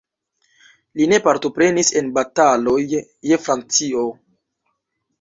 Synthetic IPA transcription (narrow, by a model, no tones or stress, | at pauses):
line̞paɾto̞pɾe̞nise̞nbatalo̞jː | e̞fɾant͡sio̞